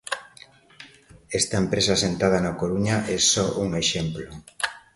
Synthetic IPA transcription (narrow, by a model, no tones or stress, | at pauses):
ɛst̪ɐempɾesɐasent̪að̞ɐnakoɾuɲaʔɛsɔʔuŋeʃemplo